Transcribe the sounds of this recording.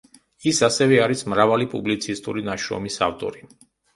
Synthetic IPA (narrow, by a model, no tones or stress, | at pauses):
isasɛvɛaɾismɾavalipʼublit̪sʰist̪ʼṵɾinaʃɾɔ̰misaft̪ʼɔɾi